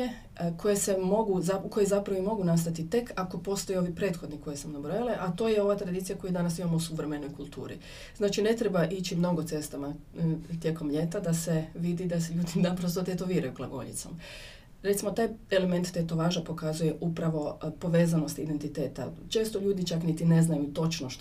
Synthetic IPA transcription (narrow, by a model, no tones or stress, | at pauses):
e | kʰo̞jesemo̞ɡuzauko̞jezapɾaʋoimo̞ɡunast̪at̪it̪e̞kako̞po̞st̪ojeo̞ʋipɾe̞t̪xo̞d̪niko̞jesamnabɾojaleʔat̪o̞ːjeo̞ʋat̪ɾad̪iːt̪sijako̞jud̪anasimamousuʋɾe̞me̞no̞jkulˠt̪ṵːɾḭ | znaːt͡ʃine̞t̪ɾebaʔit͡ʃimno̞ɡot̪se̞st̪ama | t̪je̞ko̞mʎe̞t̪ad̪aseʋid̪id̪asʎuːd̪id̪apɾost̪ot̪et̪o̞ʋiːɾajuklˠaɡo̞̰ʎḭt̪so̞̰m | ɾet̪simo̞t̪aːje̞leme̞nt̪ːet̪o̞ʋaʒapo̞kazuje̞ʔupɾaʋo̞po̞ʋe̞ːzano̞st̪id̪e̞nt̪it̪e̞ːt̪a̰t͡ʃe̞ːst̪o̞ʎuːd̪it͡ʃaknit̪ine̞znajut̪o̞t͡ʃno